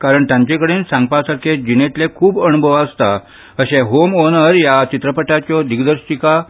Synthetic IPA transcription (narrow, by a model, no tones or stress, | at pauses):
kaɾəɳt̪jãɲt͡ɕekəɽensãŋɡ̚pasaɾkʰed͡ʑinet̪lekʰuːbənubʱəʋaəst̪a | əɕẽɦomonəɾjat͡ɕit̪ɾəpəʈat͡ɕɔd̪iɡd̪əɾsʈika